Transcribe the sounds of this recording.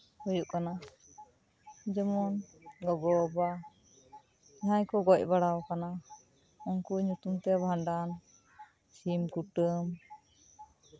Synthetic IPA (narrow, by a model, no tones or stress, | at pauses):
hujuʔkana | d͡ʒɛmɔnɡɔɡɔba | ɛɦaɲkɔɡɔc̚baɽawkana | ɔŋkuɲut̪umt̪ɛbʱaɳɖan | t͡ʃimkuʈəm